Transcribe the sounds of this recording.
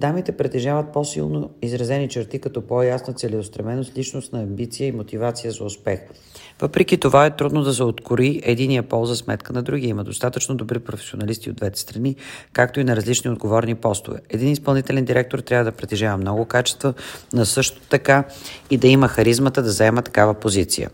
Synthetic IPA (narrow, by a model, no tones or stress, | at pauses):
d̪amit̪ɛpɾɛt̪ɛʒavət̪̚posḭlˠnoizɾɐzɛnit͡ʃɛɾt̪ikɐt̪ɔpojasnət̪sɛlɛost̪ɾɐmɛnost̪lit͡ʃnost̪nɐːmbit̪sijəimot̪ivat̪sijəzɐʊspɛx | v̥ɤpɾɛk̟it̪ovaɛt̪ɾud̪nod̪ɐs̬ɛot̪kʊɾiɛd̪inijəpɔlˠzɐsmɛt̪kənɐd̪ɾuɡ̟iiməd̪ost̪at̪ət͡ʃnod̪obɾipɾofɛ̥sionɐlist̪io̰d̪vɛt̪ɛ̥st̪ɾɐnikak̚t̪oinɐɾɐzlit͡ʃniod̪ɡovɔɾnipɔst̪ʊ̰vɛ̰ɛd̪inispɐlˠnit̪ɛlɛnd̪iɾɛk̚t̪oɾt̪ɾʲavəd̪ɐpɾɛt̪ɛʒavəmnɔɡʊkat͡ʃɛ̥st̪vənɐsɤʃt̪o̥t̪ɐkaid̪ɐiməxɐɾizmət̪əd̪ɐzɛmət̪ɐ̥kavəpozit̪sḭjə̰